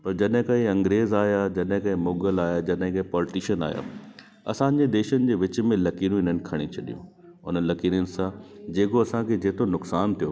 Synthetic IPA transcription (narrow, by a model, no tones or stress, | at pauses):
pɐɾd͡ʑɐɗɦɪ̃kɐɦĩɐ̃ŋɡɾeːzaːɦjad͡ʑɐɗɦɪ̃kɐɦɪ̃moːɡəlaːjad͡ʑɐɗɦɪ̃kɐ̃ĩpɔːlɪʈiːʃəna̰ːɦja̰ː | ɐ̰sãːɲ̆d͡ʑed̪eːʃənɪ̆d͡ʑeːʋɪt͡ɕ̆mẽlɐkiːɾũɪn̤ənɪ̆kʰɐɽ̃it͡ɕʰɐɗijṵ̃ | ʊn̤ənlɐkiːɾənɪ̆sãd͡ʑeːkoɐsãkʰed͡ʑeːt̪ʰonʊksaːnt̪ʰijo